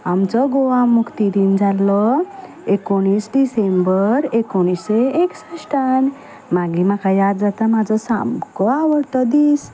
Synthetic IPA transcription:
amt͡sɔɡoʋamukt̪id̪ind͡zalːɔ | ekoɽ̃isɖisembəɾekoɽ̃iseeksasʈan | maɡimakʰajad̪d͡zat̪amad͡zɔsa̰mkɔaʋəɾt̪ɔd̪is

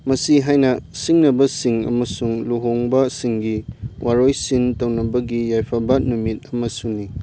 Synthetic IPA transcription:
mɐsiɦajnɐsiŋnɐbɐsiŋɐ̰mɐsuŋluɦoŋbɐsiŋɡiwʔaɾojsintɐwnɐbɐɡijajpʰabanumit̚ɐmɐsuni

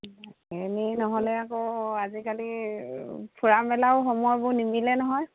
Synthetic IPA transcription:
eninɔɦɔlɛakoazikali | pʰuɹambɛlaʊxɔmɔjbʊnimilɛnɔɦɔj

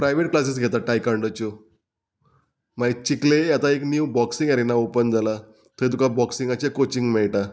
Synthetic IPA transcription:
pɾajʋeʈ̚klas̬is̬ɡʱet̪aʈajkãɳɖət͡ɕo | mait͡ɕiklejat̪aeknjuwbɔksiŋɡaɾenaopənd͡zala | t̪ət̪ukabɔksiŋɡat͡ɕakot͡ɕiŋɡmɛɭʈa

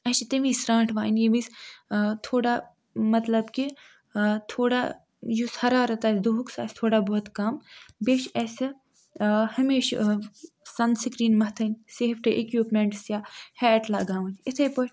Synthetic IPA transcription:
ɐʃt̪ɐmiːsɾãːɳʈʰʋaːnjimist̪ʰoːɽa | mɐt̪lɐbki | t̪ʰoːɽa̰ | jushɐɾaːɾɐt̪aːsd̪uɦuksa̰ːst̪ʰoːɽaːboːt̪kɐmbeːʃɐs | hɐmeːʃ | sɐnsikɾiːnmɐɦt̪ʰɐnʲseːfʰʈɨʔekjuːpmeɳʈsjaːhɛːʈlaːɡaːʋɐ̃nɪt̪ʰepo

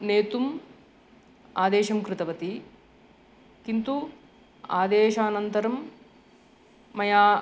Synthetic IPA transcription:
neːt̪um | aːd̪eːʃɐmkɾɪt̪ɐʋɐt̪i | kint̪u | aːd̪eːʃaːnɐnt̪ɐɾɐm | ɐjaː

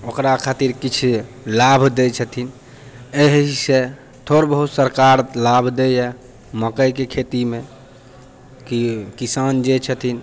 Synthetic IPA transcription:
okɾakʰat̪iɾkit͡ʃʰ | labʱd̪et͡ʃʰət̪ʰin | eɦɦise | t̪ʰoɾbəɦut̪səɾkaɾlabʱd̪ee | məkəjkekʰet̪ime | kikisand͡ʒet͡ʃʰət̪ʰin

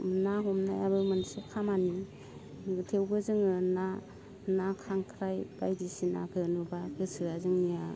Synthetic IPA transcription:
naɦɔmnajaβɯmɯnsekʰamani | tʰewbɯzɯŋɯna | nakʰaŋkʰɾajb̥ajdisina̰kʰɯnubaɡɯsɯɾazɯŋnija

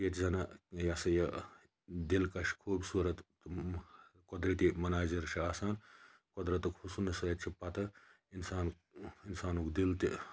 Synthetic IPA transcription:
ket̪zɐnɐjɐsɐjɐ | d̪ilkɐʃkʰuːbʲsuɾɐt̪ | kod̪ɾit̪imɐnaːd͡ʒiɾʃʰiaːsaːn | kɔd̪ɾɐt̪ɨkʰusunɐsɐɐt̪̚t͡ʃʰipɐt̪ɐ | insaːn | insaːnukd̪ilt̪i

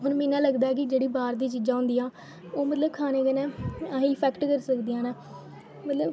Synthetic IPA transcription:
ɦʊnmɛ̃ːnãːləɡd̪aːɛːk̬ɪd͡ʒeːɽiːbaːɾd̪iːt͡ʃiːd͡ʒãːɦʊ̃nd̪iːãː | oːmət̪ləbkʰaːneːkənɛ̃ːĩːpʰɛːkʈkəɾsəkd̪iːãːnãː | mət̪ləb

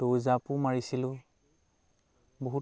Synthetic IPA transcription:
towzapumaɹisilʊ̃ | boɦu

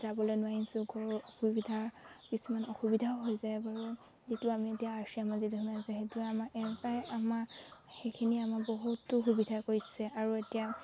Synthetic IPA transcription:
zabɔlojnʊwainsʊɡɔɹxubidʱaɹkisumanɔxubidʱaoɦojzajbaɹu | zituamietijaasiamazituɦɔnazɛxetuɛamaʔɛɹpajamaxejkʰiniamaboɦutːʊxubidʱakoɹisɛaɹuetija

